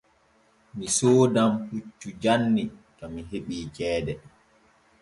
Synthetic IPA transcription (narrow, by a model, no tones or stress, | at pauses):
misoːdamhut͡ʃːud͡ʒanːikamiɦeɓiːt͡ʃɛːdɛ